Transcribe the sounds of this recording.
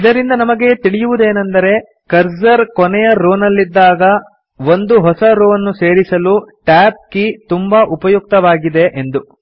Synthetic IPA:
id̪ɐɾind̪ɐnɐmɐɡe̞t̪iɭijuʋud̪e̞ːnɐnd̪ɐɾe̞ | kɐɾzɐɾkɔnɛjɐɾoːnɐlːid̪ːaːɡɐ | ʋo̞nd̪uɦɔsɐɾoːɐnːuse̞ːɾisɐluʈaːp̚kit̪umbɐʔupɐjuk̚t̪ɐʋaːɡid̪e̞ʔend̪u

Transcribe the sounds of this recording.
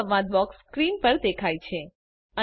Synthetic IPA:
əʋãd̪bɔkskɾinpəɾd̪ekʰajt͡ʃʰe | ə

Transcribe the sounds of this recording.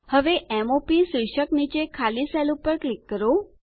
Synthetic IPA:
həʋeʔɛmopisujʃəknit͡ʃekʰalisɛlupəɾklikːəɾo

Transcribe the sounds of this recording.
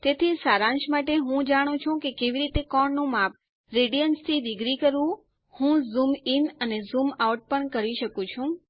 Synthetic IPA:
t̪et̪ʰisaɾãnʃmaʈeɦũd͡ʒaɽ̃ũt͡ʃʰũkekeʋiɾit̪ekɔɳnũmap̚ | ɾeɖijənst̪ʰid̪ɪɡɾikəɾʋũ | hũzuminənezumauʈ̚pəɳkəɾiʃəkũt͡ʃʰũ

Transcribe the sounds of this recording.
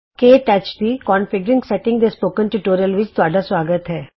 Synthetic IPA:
keːʈɛt͡ʃd̪ikɔ̃ːnfɪɡɾɪ̃ŋɡsɛʈɪ̃ŋɡd̪espoːkə̃nʈuʈoːɾiəlʋɪt͡ʃt̪ʊaːɖasʋaːɡət̪ɦɛː

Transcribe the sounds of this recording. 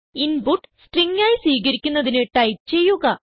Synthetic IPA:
inbuʈːsʈriŋːaːjiswiːɣɐɾikʲːunːɐðinɨʈɐjp̚t͡ɕe̞jːuɣɐ

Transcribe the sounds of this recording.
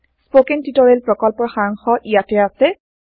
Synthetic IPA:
spokɛntitɔɹelpɹɔkɔlpɔɹxaɹɔŋxɔʔijatɛasɛ

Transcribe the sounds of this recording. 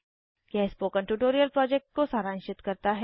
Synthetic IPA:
kɛɪspokə̃ɳʈuʈoːɾijəlpɾɔːd͡ʒɛk̚ʈ̚kosaːɾaːnɪʃt͡ʃɪt̪kɐɾt̪aɦ

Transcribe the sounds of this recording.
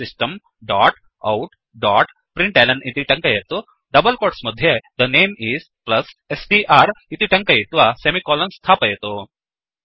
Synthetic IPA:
sisʈəm | ɖaːʈ | ɐ̰wʈ | ɖaːʈ | pɾiɳʈelɐɳɖʔit̪iʈɐ̃ŋkɐjet̪o | ɖɐbəlkoːɾʈsmɐd̪ʱjed̪əneːmiːz | plɐsesɖiʔaɾit̪iʈɐ̃ŋkɐjit̪ʋasemikɔlənst̪ʰaːpɐjet̪o

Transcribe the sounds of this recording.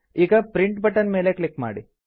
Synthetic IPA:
iːɡɐpɾiɳʈbɐʈːɐnme̞ːlekɭikma̰ːɽi

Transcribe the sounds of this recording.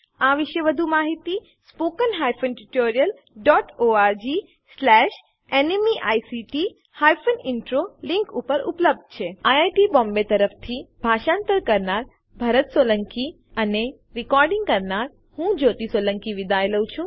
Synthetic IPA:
aʋiʃeʋəd̪ʱumaɦit̪i | spokənɦajfənʈuʈoɾijəl | ɖɔʈoaɾd͡ʒi | slɛʃ | enemiʔajsiʈi | hajfʰənɪɳʈɾolɪ̃ŋkupəɾṵpləb̚d̪̚ʱt͡ʃʰeajajʈibɔmbet̪əɾəft̪ʰibʱaʃãnt̪əɾkəɾnaɾ | bʱaɾət̪soləŋki | əne | ɾɪkɔɾɖĩŋɡkəɾnaɾ | hũd͡ʒot̪isoləŋkiʋid̪ajləwt͡ʃʰũ

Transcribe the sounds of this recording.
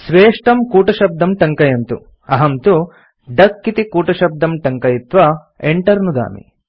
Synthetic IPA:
sʋeːʂʈɐmkuːʈɐʃɐb̚d̪ʱɐmʈɐŋkɐjɐnt̪ṵ | ɐɦɐmt̪u | ɖɐkːit̪ikuːʈɐʃɐb̚d̪ɐmʈɐŋkɐjit̪ʋɐ | eɳʈɐɾnud̪a̰ːmḭ

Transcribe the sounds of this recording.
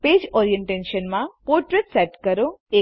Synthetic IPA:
peːd͡ʒɔːɾijẽɳʈẽʃənmãpoɾʈɾeʈsɛʈkəɾoe

